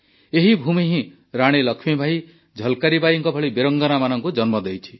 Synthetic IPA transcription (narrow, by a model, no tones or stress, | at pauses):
eɦibʱumiɦĩ | ɾaɽ̃elɔkʰmibʱaj | d͡ʒʱɔlkaɾibajɔŋkɔbʱɔɭibeɾɔŋɡɔnamanɔŋkud͡ʒɔnmɔd̪ejt͡ʃʰi̥